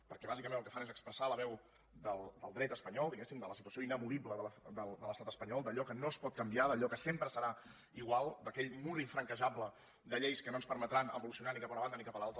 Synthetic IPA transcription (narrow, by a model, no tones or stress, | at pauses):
pəɾkɛβazikəmẽnəlˠkə̥fanezəkspɾəsaləβ̞ɛw | d̪əlˠd̪əlˠd̪ɾɛt̪əspəɲɔlˠd̪iɣesimd̪ələsit̪uəsioinəβuðibləðələd̪əlˠd̪ələst̪at̪əspəɲɔlˠd̪əʎɔkənospɔt̪̚kəmbiaðəʎɔkəsempɾəsəɾa | iɣwalˠd̪əkɛʎmuɾiɱfɾəŋkəʒablə | d̪əʎejskənonspəɾmət̪ɾanə̰βulusiunanikapaunəβand̪ənikapəlalˠt̪ɾə